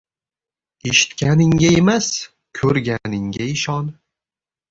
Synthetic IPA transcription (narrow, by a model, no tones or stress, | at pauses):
eʃɪ̥t̪kʲʰanɪŋɡʲaemas | kʲʰɵɾɡʲanɪŋɡʲaɪʃɒn